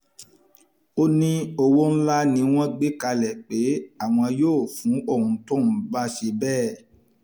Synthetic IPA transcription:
o˦nĩ˧o˧wo˦n̩˦la˦nĩ˧w̃ɔ̃˦ɡ͡be˦ka˧lɛ˨k͡pe˨˦a˦˨w̃ɔ̃˧joː˦˨fũ˨˦o˦˨ɾũ˨˦tõ˦˨nũ˨˦ɡ͡ba˦ʃe˧bɛː˦˨

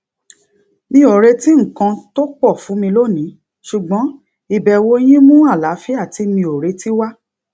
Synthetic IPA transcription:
mĩ˦o˨ɾe˧ti˦ŋ̩˨kã˧to˦k͡pɔ˦˨fũ˨˦mĩ˧lo˦˨nĩ˨˦ | ʃu˨ɡ͡bɔ̃˨˦ | i˧˨bɛ˧˨wo˦j̃ĩ˦mũ˦a˦˨la˨˦fi˦a˦˨ti˧mĩ˧o˨ɾe˨˧ti˦wa˦

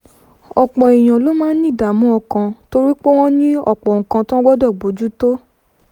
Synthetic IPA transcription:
ɔ˨k͡pɔ̃˨i˨j̃ã˨lo˦mãː˦nĩ˦˨da˨˦mũ˨˦ɔ˧kã˧to˦ɾi˦k͡po˦w̃ɔ̃˦nĩ˦ɔ̰˨k͡pɔ˨ŋ̩˨kã˧tã˦ɡ͡bɔ˦dɔ˦˨ɡ͡bo˨˦d͡ʒu˦to˦

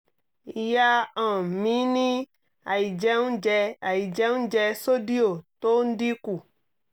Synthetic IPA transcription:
ja˦ã˨mĩ˨˦nĩ˦ | a̰˨i˨d͡ʒɛ˦ŋũ˦d͡ʒɛ˦a˨ji˨d͡ʒɛ˦ŋũ˦d͡ʒɛ˧so˦di˦o˨t̪o˦n̩˦di˦ku˨

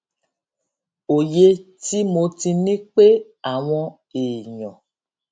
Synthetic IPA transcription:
o˨je˧ti˦mo˧tĩ˧nĩ˦k͡pe˦ | a˨w̃ɔ̃˧ | e˨ɲɔ̃˨

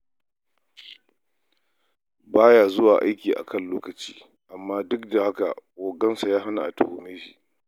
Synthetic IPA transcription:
baː˦jaː˨zʊ˦waː˨ʔa˦jkʲiː˨ʔa̰˨kʰɐ˦˨nloː˦kɐ˨t͡ʃḭː˦ | ʔa˨mːaː˦dʊ˦k̚da˨ha˦ka˨koː˨ɡɐ˦nsa˨jaː˦ɦa˦na˨ʔa̰˨tʊ˦˨ho˨meː˦ʃḭ˨ʔ

